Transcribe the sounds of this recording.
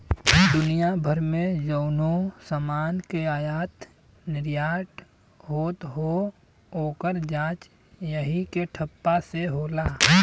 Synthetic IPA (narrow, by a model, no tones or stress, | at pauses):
d̪ʊnijabʱəɾmẽd͡ʒəːnosəmaːnkeaːjaːt̪ | nɪɾjaːʈ | ɦoːt̪ɦo | oːkəɾd͡ʒãːt͡ʃ | jəɦikeʈʰəpːaseɦoːlaː